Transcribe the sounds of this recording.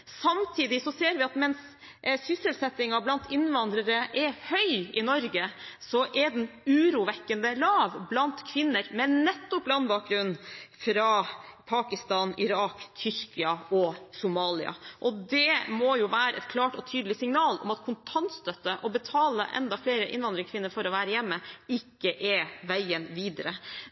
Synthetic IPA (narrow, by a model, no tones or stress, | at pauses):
sɑmt̪ʰiːd̪ɪsɔseːɾʋɪɑt̪mɛnsː | ʏsəlsɛt̪ːɪŋɑblɑnt̪ʰɪnʋɑnd̪ɾəɾəʔɛɾhœʏɪnɔɾɡəsɔʔɛɖɛnʉːɾuʋɛkːənd̪əlɑːʋblɑnt̪kʰʋɪnːəɾmɛnːɛt̪ːɔp̚lɑnbɑːk̚ɡɾʉnːfɾɑpʰɑːkɪst̪ɑːnɪɾɑːkt̪ʰʏɾkɪɑɔsʊmɑːlɪ̰ɑ̰ʔɔd̪ɛmɔjʊʋæːɾəɛt̪kʰlɑːʈɔt̪ʰyːd̪lɪsɪŋnɑːlɔ̰mɑt̪kʰʊnt̪ʰɑnt̪st̪œt̪ːəʔɔbət̪ʰɑːlə̰ʔɛ̰nd̪ɑfleːɾəʔɪ̰nʋɑnd̪ɾɪŋsʰkʋɪnːəɾfɔɾɔʋæːɾəjɛmːəɪkːəʔɛʋæɪənʋiːd̪əɾə